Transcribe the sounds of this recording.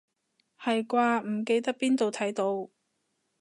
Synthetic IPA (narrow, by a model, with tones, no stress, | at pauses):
hɐ˨jkʷaː˧m̩˨˩k̬e˧jt̪ɐ˥k̚piː˥nt̪o˨wt̪ʰɐ˨˥jt̪o˨˥w